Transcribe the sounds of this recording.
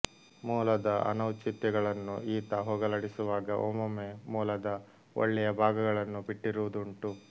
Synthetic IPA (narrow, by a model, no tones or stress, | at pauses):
muːlɐd̪ɐʔɐ̰nɐwt͡ʃit̪jɛɡɐɭɐnːuiːt̪ɐɦoːɡɐlɐɽisuʋaːɡɐʔo̰ːmɐmemuːlɐd̪ɐ | o̰ɭːɛjɐbʱaːɡɐɡɐɭɐnːubiʈːiɾuʋud̪uɳʈu